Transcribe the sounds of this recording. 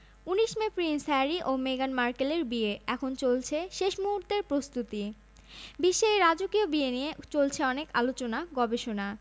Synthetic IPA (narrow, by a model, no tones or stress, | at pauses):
uniʃmepɾinsɛɾiʔomeɡanmaɾkeleɾbieɛkʰont͡ɕolt͡ɕʰeʃeʃmuɦuɾt̪eɾpɾost̪ut̪i | biʃːoeɾad͡ʑokiobieniet͡ɕolt͡ɕʰeɔnekalot͡ɕonaɡɔbeʃona